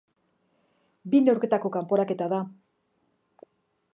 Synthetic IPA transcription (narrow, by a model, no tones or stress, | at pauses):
binewɾke̞t̪ako̞kampo̞ɾake̞t̪aða